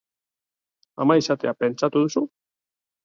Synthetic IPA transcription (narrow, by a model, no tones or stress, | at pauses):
a̰majsat̪eapensat̪uðusu